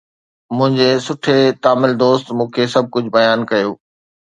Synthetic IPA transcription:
mʊ̃ɦɪ̃ɲd͡ʑesʊʈʰet̪aːmɪld̪oːst̪mũːkʰesɐb̚ʱkʊd͡ʑʱbɐjaːnkɐjoː

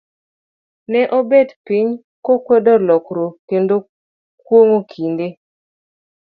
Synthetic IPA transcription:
nɛʔobedpiɲ | kokwedɔlɔkɾokendo | kwoŋokʰinde

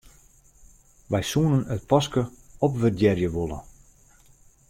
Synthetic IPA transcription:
ʋɛjsuənənət̚pɑskəɔpʋərdjɛrjəʋolˠə̰

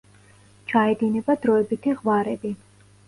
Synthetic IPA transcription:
t͡ʃʰaɛd̪inɛbad̪ɾɔɛbit̪ʰiʁwaɾɛbi

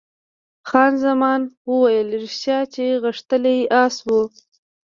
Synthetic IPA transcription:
xɑnzamɑnwəwajəlɾʃjɑt͡ʃeɣəʂt̪əlejiʔɑswu

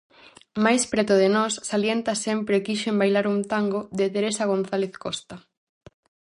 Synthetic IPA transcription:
majspɾɛt̪ʊðenɔsːaljent̪ɐsempɾekiʃembajlaɾunt̪aŋɡoðet̪eɾesaɣ̞onθaleθkɔst̪a

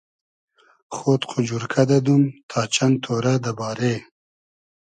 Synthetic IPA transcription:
χoːt̪qʰʊd͡ʒuɾkʰad̪ad̪umt̪ʰɑːt͡ʃant̪ʰoɾad̪əbɑːɾe

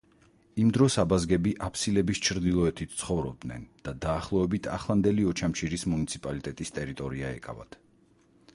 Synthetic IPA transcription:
imd̪ɾɔsabazɡɛbiʔapʰsilɛbist͡ʃʰɾd̪ilˠɔɛt̪ʰit̪ʰt̪sʰχɔvɾɔb̚d̪nɛ̰nd̪̥ad̪aːχlˠɔɛbit̪ʰa̰χlˠand̪ɛliɔt͡ʃʰamt͡ʃʰiɾismunit̪sʰipʼalit̪ʼɛt̪ʼist̪ʼɛɾit̪ʼɔɾiaɛ̰kʼa̰va̰t̪

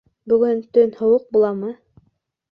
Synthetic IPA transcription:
bɵ̆ɡɵnt̪ɵnhŏwɤq̚bulˠɑmɤ

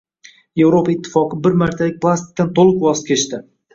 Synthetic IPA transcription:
je̞vɾopaɪt̪ʰːɪ̥fɒqʰɨbɪɾmaɾt̪ʰalɪk̚ʲplˠast̪ɪ̥k̚ʲt̪ant̪ʰolˠɨqwɒst̪kʲʰet͡ʃt̪ɪ

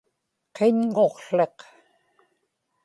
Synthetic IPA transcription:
qʰeɲŋo̞qɬe̞q

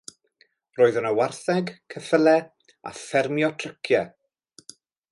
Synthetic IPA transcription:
roːɨðənəwarθɛɡkʰəfəlɛ | a̰fɛrmjɔtʰrəkʰjɛ

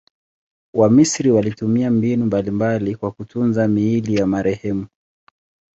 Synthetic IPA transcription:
wamisɾiwalitumiambinumbalimbalikwakutunzamiilijamaɾɛhɛmu

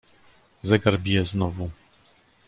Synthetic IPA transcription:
zɛɡaɾbʲijɛznɔvu

